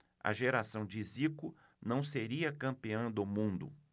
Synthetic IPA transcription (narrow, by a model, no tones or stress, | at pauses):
ɐ̰ʒeɾasɐ̃w̃d͡ʒɪzikʊ | nɐ̃w̃seɾiɐkɐ̃mpiɐ̃w̃d̪ʊmũnd̪ʊ̰